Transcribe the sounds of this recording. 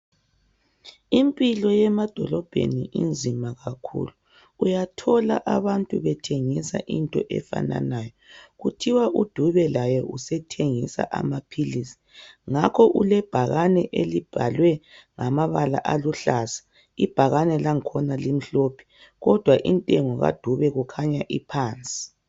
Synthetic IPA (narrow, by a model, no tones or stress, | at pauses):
impʼilɔjɛmad̥ʱɔlɔb̥ʱḛniʔḭnd͡zʱimaɣakʰṵluː | jatʰɔla̰ʔaβantʼuβɛtʰeŋisa̰ʔintʼɔ̰ʔɛ̰fa̰na̰najɔɣutʰiwaʔud̥ʱuβɛlajɛʔusɛtʰeŋisa̰ʔa̰mapʰilisi̥ŋakʰɔʔulɛb̥ʱaɣanɛʔelib̥ʱalwɛ | ŋamaβala̰ʔaluɬasḁ | ib̥ʱaɣanɛlaŋkʰɔnalim̩ɬopʰi̥ | ɣɔd̥ʱwaʔintʼɛŋɔɣa̰d̥ʱuβɛɣukʰaɲaʔipʰaːnt͡sʼi̥